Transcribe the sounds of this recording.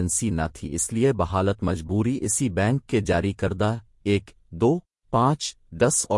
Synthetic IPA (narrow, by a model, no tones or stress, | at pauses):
ənsinɐ̰t̪ʰḭɪsliebɐɦaːlət̪mɐd͡ʒbuːɾiʔɪsibɛ̃ːŋkːed͡ʒaːɾikɐɾd̪a | eːk | d̪oː | pãːt͡ʃ | d̪ɐsɔː